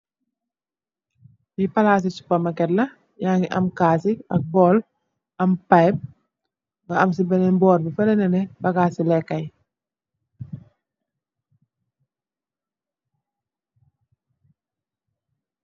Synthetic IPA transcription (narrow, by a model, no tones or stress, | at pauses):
bipɐlaːs̬isu̥pːɐmɐkɛtlɐ | jaŋɡiʔɐmkaːsiɐk̚bɔːl | ɐmpajb̚ | ŋɡɐɐmsibɛnɛbɔːɾbifɛlɛnɛnɛbɐɡaːsilɛkːɐj